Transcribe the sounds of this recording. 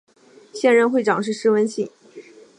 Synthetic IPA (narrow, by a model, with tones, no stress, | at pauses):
ɕjɛ˥˧nɻə˥˧nxwe˥˩ɪʈ͡ʂɑ˨˩ŋʂɻ̩˥˩ʂɻ̩˥wə˧˥nɕi˥˩ŋ